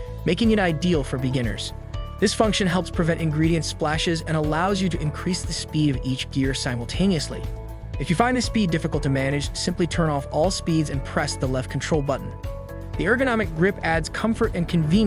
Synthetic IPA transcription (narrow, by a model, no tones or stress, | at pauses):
meɪkɪ̃ŋɨ̃naɪdilˠfə˞bɨɡɪ̃nə̰˞z̥ | ðɪsfʌ̃ŋkʃɨ̃nɦɛlˠpspʰɹ̥ɨvɛ̃ɾtɨ̃nɡɹiɾiɨ̃ntsplæʃɪzɨ̃nəlaʊzjɨɾɨɨ̃nkʰɹ̥isðɨspiɾʌvit͡ʃɡ̥ɪɹsãɪ̃ml̩ˠtʰẽɪ̃niɨslḭ | ɨfjɨfãɪ̃nðɨspidɪfɨkl̩ˠtʰɨmænɨd͡ʒ̥sɪ̃mplitʰɜ̃˞ñɔfɔlˠspidzɨ̃npʰɹ̥ɛsðəlɛft̚kʰn̩tʰɹ̥oʊlˠbʌʔn̩ | ðiɜ˞ɡɨnɑmɨk̚ɡ̥ɹɪpædz̥kʰʌ̃ɱfə˞ɾɨ̃nkʰɨ̃nvĩn